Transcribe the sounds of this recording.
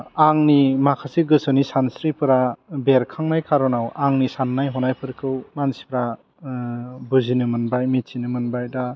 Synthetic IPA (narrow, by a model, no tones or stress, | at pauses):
aŋnimakʰasiɡɯsɔnisansɾipʰɯɾabeɾkʰaŋnajkʰaɾɔnawaŋnisanːajɦɔnajpʰɯɾkʰɯwmansi̥pʰɾa | buzinɯmɯnbajmitsinɯmɯnbajda